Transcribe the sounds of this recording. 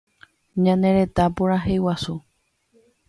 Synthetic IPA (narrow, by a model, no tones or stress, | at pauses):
ɲãneɾe̞t̪apuɾaɦejwasu